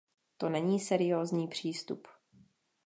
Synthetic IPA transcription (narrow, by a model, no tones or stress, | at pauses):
t̪o̞nɛɲiːsɛɾɪjoːzɲiːpr̝̥iːst̪ṵp